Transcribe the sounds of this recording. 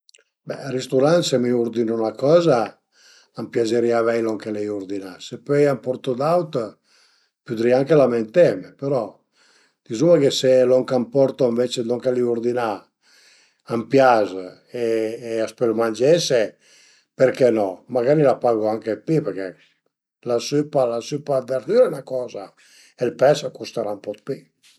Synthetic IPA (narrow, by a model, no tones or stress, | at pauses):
bɛ̰ɾist̪uɾant̪semiuɾd̪inonakɔːza | ampjazeɾiavɛjlɔŋkelɛjuɾd̪inasepøjampɔɾt̪od̪awt̪ | pud̪ɾiaŋkelament̪ɛmepeɾɔ | d̪̥izumakeselɔŋkampɔɾt̪oiɱvet͡ʃed̪ɔŋkaliuɾd̪ina | ampjaz | eːaspelumand͡ʒɛse | peɾkɛnɔmaɡaɾilapaɡoaŋkepipɛɾkɛ | lasypalasypad̪eɾd̪yɾenakɔːza | elpɛsakust̪aɾaumpɔt̪̚pi